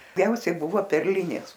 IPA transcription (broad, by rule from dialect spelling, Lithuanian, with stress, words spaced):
ˈɡʲɛʊsʲɛɪ ˈbʊʋoː pʲɛrʲˈlʲɪnʲeːs